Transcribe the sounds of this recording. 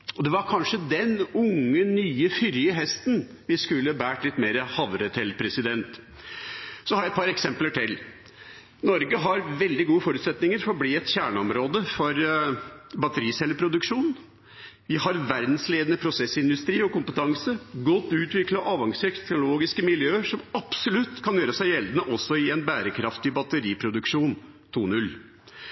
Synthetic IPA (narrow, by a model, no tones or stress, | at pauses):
ɔd̪ɛʋɑɾkʰɑnʂəd̪ɛnʊŋːənyːəfʏɾjəɦɛst̪n | ʋɪskʉlːəbæːʈlɪt̪ːmeːɾəhɑʋɾət̪ʰɪlpʰɾɛsɪd̪ɛnt̪ | sɔhɑɾjæɛt̪̚pʰɑɾɛksɛmpləʈʰɪl | nɔɾɡəɦɑɾʋɛld̪ɪɡuːəfɔɾʉt̪sɛt̪nɪŋəɾfɔɾɔbliːɛt̪çæːɳəɔmɾoːd̪əfɔɾ | bɑt̪əɾiːsɛlːəpʰɾʊd̪ʉkʂuːn | ʋɪɦɑɾʋæɾd̪n̩sleːd̪ənəpʰɾʊsɛsɪnd̪ʉst̪ɾiːɔkʊmpət̪ʰɑŋsəɡɔt̪ːʉːt̪ʋɪklɑʔɑːʋɑŋsøːkt̪ɛknʊloːɡɪskəmɪljøːəʂɔmɑpsɔlʉt̪ːkʰɑnjøːɾəsæɪjɛld̪ənəʔɔsːɔɪɛnbæːɾəkʰɾɑft̪ɪbɑt̪əɾiːpʰɾʊd̪ʉkʂuːn | t̪ʰuːnʉl